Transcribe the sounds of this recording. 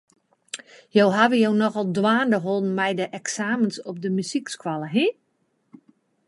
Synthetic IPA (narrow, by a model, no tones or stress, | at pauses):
jowɦaʋəjownɔxɔlˠdwaːndəɦolˠn̩mɛjdəʔɛksaːmənsɔp̚dəmysikskwalˠəɦi